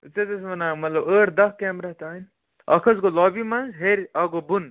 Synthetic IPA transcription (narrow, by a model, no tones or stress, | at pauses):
t͡set̪ɐsmɐnaːmɐt̪lɐbəːʈd̪ɐɦkeːmɾɐɦt̪aːin | ɐ̰kʰɐzɡolɔːbimɐnzɦeɾɐɡobun